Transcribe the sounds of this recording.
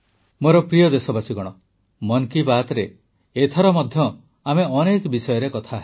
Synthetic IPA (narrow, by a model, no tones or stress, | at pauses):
moɾɔpɾijɔd̪esɔbasiɡɔɽ̃ɔ | mɔnkibat̪ɔɾeː | t̪ʰɔɾɔmɔd̪ʱjɔ | ameɔnekbisɔjɔɾekɔt̪ʰaɦe